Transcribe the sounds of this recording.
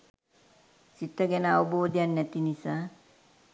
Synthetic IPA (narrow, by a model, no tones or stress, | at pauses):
sit̪ːəɡɛnəaʋoboːd̪ijanːɛt̪inisaː